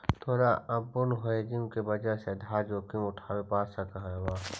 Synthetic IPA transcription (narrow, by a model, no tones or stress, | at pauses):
t̪ʰoːɾaʔɐbːʊnɦoed͡ʒimkebəd͡ʒased̪ʱaːd͡ʒoːkimʊʈʰaːwepaːsakəɦwaː